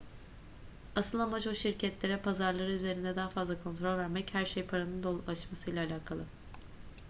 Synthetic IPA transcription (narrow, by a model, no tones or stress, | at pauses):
asɯlˠamat͡ʃoʃiɾcʰɛt̪lʲe̞ɾɛpʰazaɾlˠaɾɯyze̞ɾind̪ɛd̪aɦafazlˠakʰo̞nt̪ɾo̞lʲvæɾmɛchæɾʃejpʰaɾanɯnd̪olˠaʃmasɯjlʲˠaːlʲaːkʰalˠɯ